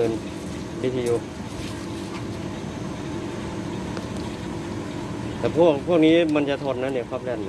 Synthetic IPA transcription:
ɤː˧n | wi˦˥t̪ʰiː˧juː˧˩ | t̪ʰɛː˨˩pʰu˥˩ək̚pʰu˥˩ək̚niː˦˥ma˧nt͡ɕa˨t̪ʰɔː˧n̚naː˧˦˥ni˧˩əkʰwaː˥˩p̚lɛ˧˩n˧

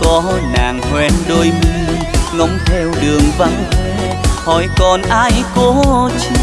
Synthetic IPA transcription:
kɔ˨˧˦naː˨˩ŋhwɛ˨˧nɗo˧jmi˧ | nɔ˨˦ŋ͡mt̪ʰɛ˧wɗɨ˨˩əŋva˧ŋ˧˦ | hɔ˨˦jkɔ˨˩nʔaː˧jko˧˦t͡ɕ

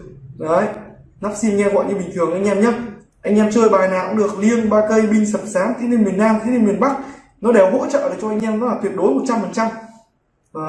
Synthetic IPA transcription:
zə˨˦jna˦˥p̚si˧nŋɛ˧ɣɔ̰˧˨jɲɨ˧ɓï˨˩ŋ̟t̪ʰɨ˨˩əŋʔa˧jŋ̟ʔɛ˧mɲa˨˦ | ʔa˧jŋ̟ʔɛ˧mt͡ɕəː˧jɓaː˨˩na̰ː˧˨ŋɗɨ˨˩ək̚li˧ənɓaː˧kə˧jɓï˧ŋ̟sə˨˩p̚saː˨˦nt̪ʰi˨˦ni˧ŋmi˨˩ənːaː˧mt̪ʰn˧ŋm˨˩ənɓa˦˥k̚ | nɔ˨˦ɗe˧˩wɦo̰˧˥t͡ɕə̰ː˧˨ɗəː˨˩t͡ɕɔ˧ʔa˧ŋ̟ʔɛː˧mnɔ˨˦aː˨˩t̪wi˨˩ət̚ɗo˨˦jmo˨˩t̚t͡ɕa˧mfə˨˩nt͡ɕa˧mː˨˩

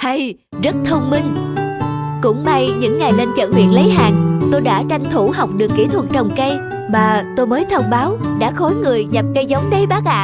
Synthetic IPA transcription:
hə˧j | zə˦˥t̚t̪ʰə˧wŋ͡mmi˧ŋ | kʊ̰˧˥ŋ͡mɓa˧jɲɨ̰˧˥ŋːa˨˩jle˧nt͡ɕə̰˧˨nhwḭ˧˨ənlə˨˦jɦaː˨˩ŋt̪o˧jɗa̰ː˧˥t͡ɕa˧jŋ̟t̪ʰu˧˩ha˨˩wk͡p̚ɗɨ˨˩əkːḭ˧˩t̪ʰwə˨˩t̚t͡ɕə˨˩wŋ͡mkə˧j | maː˨˩t̪o˧jməː˨˦jt̪ʰə˧wŋ͡mɓaː˨˦wɗa̰ː˧˥xo˨˦jŋɨ˨˩əjɲa˨˩p̚kə˧jzə˨˦wŋ͡mɗə˨˧˦jɓaː˦˥k̚la̰ː˧˨

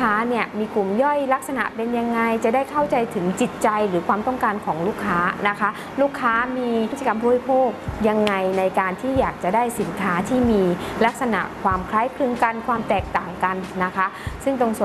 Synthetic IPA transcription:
aː˦˥ni˥˩ɐmiː˧ku˨˩mjɔ˥˩jla˦˥k̚sa˧na̰˨˩ʔpe˧nja˧ŋːa˧jt͡ɕa˨˩daː˥˩jkʰa˥˩wt͡ɕa˧jt̪ʰɯ˩˦ŋt͡ɕi˨˩t̪̚t͡ɕa˧jɾɯː˩˦kʰwaː˧mt̪ɔ˥˩ŋkaː˧nkʰɔː˩˦ŋluː˥˩kʰːaː˦˥na˦˥kʰa˦˥ | luː˥˩kʰːaː˦˥miː˧˦˥t̪̚t͡ɕa˧ka˧mbuː˧˩˨ɾi˦˥pʰoː˥˩k̚ja˧ŋːa˧jna˧jkaː˧nt̪ʰiː˥˩jaː˨˩k̚t͡ɕa˨˩daː˥˩jsi˩˦nkʰaː˦˥t̪ʰiː˥˩miː˧la˦˥k̚sa˧na̰˨˩ʔkʰwaː˧mkʰlaː˦˥jpʰlɯ˧əŋka˧nkʰwaː˧mt̪ɛː˨˩k̚t̪aː˨˩ŋka˧nːa˦˥kʰa˦˥sɯ˥˩ŋt̪o˧ŋsu˨˩

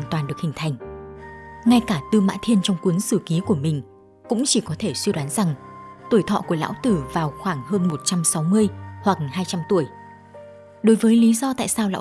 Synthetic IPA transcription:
nt̪waː˨˩nɗɨ˨˩ək̚hï˨˩ŋ̟t̪ʰa˨˩jŋ̟ | ŋa˧jkaː˧˩t̪ɨ˧ma̰ː˧˥nt̪ʰi˧ənt͡ɕɔ˧wŋ͡mkwi˨˦ənsɨ˧˩ki˨˦ku˧˩əmï˨˩ŋ̟ | kʊ̰˧˥ŋ͡mt͡ɕi˧˩kɔ˨˦t̪ʰe˧˩swi˧ɗwaː˨˦nza˨˩ŋt̪u˧˩əjt̪ʰɔ̰˧˨ku˧˩əla̰ː˧˥wt̪ɨ˨˩vaː˨˩wxwaː˧˩ŋɦəː˧nmo˨˩t̚t͡ɕa˧msa˨˦wmɨ˧əjhwa˨˩k̚haː˧jt͡ɕa˧mt̪u˧˩əj | ɗo˨˦jvəː˨˦jli˨˦zɔ˧t̪a̰ː˧˨jsaː˧wla̰ː˧˥

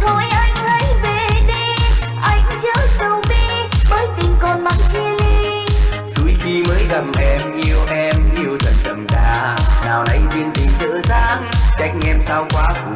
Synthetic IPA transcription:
t̪ʰo˧˩jʔa˧jŋ̟hə˨˦jve˨˩ɗi˧ | ʔa˧jŋ̟t͡ɕəː˨˦zə˨˧˩wɓi˧ | ɓəː˨˦jt̪ï˨˩ŋ̟kɔ˨˩nɓa˨˩ŋt͡ɕi˧əli˧ | zu˨˦jxi˧məː˨˦jɣə˨˩mʔɛ˧mʔi˧əwʔɛ˧mʔi˧əwt̪ʰə˨˩n̚kə˨˩mkaː˧˩naː˨˩wna˨˧jzi˧ənt̪ï˨˩ŋ̟zə̰ː˧˥zaː˧˥ŋt͡ɕa˦˥jk̟ʔɛ˧msaː˧wkwaː˨˦ku˨˧˩

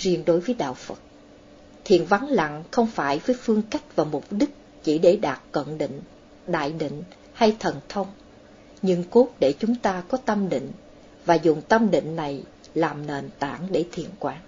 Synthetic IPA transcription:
zi˧˩ənɗo˨˦jvəː˨˦jɗa̰ː˧˨wfə˨˩t̚ | t̪ʰḭ˧˨ənva˨˦ŋla̰˧˨ŋxə˧wŋ͡mfaː˧˩jvəː˨˦jfɨ˧əŋka˦˥jk̟̚vaː˨˩mʊ˨˩k͡p̚ɗi˦˥k̚ | t͡ɕi˧˩ɗe˧˩ɗaː˨˩t̚kwə̰˧˨nɗḭ˧˨ŋ̟ | ɗa̰ː˧˨jɗḭ̈˧˨ŋ̟ | ha˧jt̪ʰə˨˩nt̪ʰə˧wŋ͡m | ɲɨ̰˧ŋko˦˥t̚ɗe˧˩t͡ɕʊ˨˦ŋ͡mt̪aː˧kɔ˨˦t̪ə˧mɗḭ˧˨ŋ̟ | vaː˨˩zʊ˨˩ŋ͡mt̪ə˧mɗḭ̈˧˨ŋ̟na˨˩j | laː˨˩mne˨˩nt̪a̰ː˧˩ŋɗe˧˩t̪ʰḭ˧˨ənkwaː˧˦ŋ

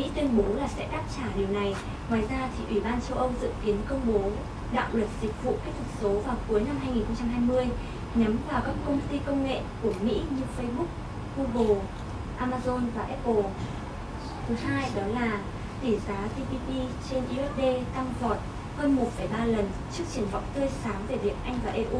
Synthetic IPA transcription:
mḭ˧˥t̪wi˧ənɓo˨˦laː˨˩sɛ̰˧˥ɗaː˦˥p̚t͡ɕaː˧˩ɗi˨˩əwna˨˩j | ŋwaː˨˩jzaː˧t̪ʰi˨˩ʔi˧˩ɓaː˧nt͡ɕə˧wʔə˧wzɨ̰˧˨ŋki˨˦ənkə˧wŋ͡mɓo˨˦ | ɗa̰ː˧˨wlwə˨˩t̚z̥ï˨˩k̟̚vṵ˧˨kaː˦˥k̚t̪ʰɨ˨˩k̚so˨˦vaː˨˩wku˨˦jna˧mɦaː˧jŋi˨˩nxə˧wŋ͡mt͡ɕa˧mɦaː˧jmɨ˧əj | ɲa˨˦mvaː˨˩wkaː˦˥kkə˧wŋ͡mt̪i˧kə˧wŋ͡mŋḛ˧˨ku˧˩əmḭ˧˥ɲɨ˧fə˧jɓʊ˦˥k̚ | ɣu˧ɣo˨˩ | ʔaː˧maː˧zo˧nvaː˨˩ʔɛ˦˥o˧˩ | t̪ʰɨ˨˦haː˧jɗɔ˨˦laː˨˩ | t̪i˧˩zaː˨˦ti˧pi˧ti˧t͡ɕe˧nʔi˧ʔɛ˦˥p̚ɗe˧t̪a˧ŋvɔ˨˩t̚ | həː˧nmo˨˩t̚fə˧˩jɓaː˧lə˨˩n | t͡ɕɨ˦˥ək̚t͡ɕi˧˩əŋva̰˧˨wŋ͡mt̪əː˧jsaː˨˦ŋve˧˩vḭ˨˩ənʔa˧jŋ̟vaː˨˩ʔe˧ʔu˧

